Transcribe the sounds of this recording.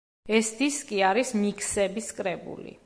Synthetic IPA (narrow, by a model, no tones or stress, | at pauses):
ɛsd̪iskʼiaɾismikʰsɛbiskʼɾɛbṵlḭ